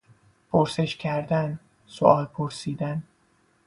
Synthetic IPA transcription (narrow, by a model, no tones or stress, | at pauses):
pʰoɾse̞ʃcʲʰæɾd̪æn | soʔɒːlpʰoɾsiːd̪æn